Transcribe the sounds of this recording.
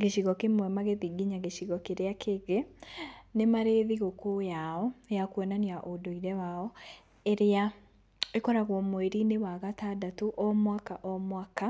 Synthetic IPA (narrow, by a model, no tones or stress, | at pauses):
ɡeɕiɣɔkemwɛmaɣeðiɡiɲaɣeɕiɣɔkeɾeakʰeɣe | nemaɾeðiɣokojaɔjakwɛnaniaʔodoiɾɛwaɔ | eɾea | ekɔɾaɣwɔmweɾinewaɣatadatuʔɔmwakaʔɔmwaka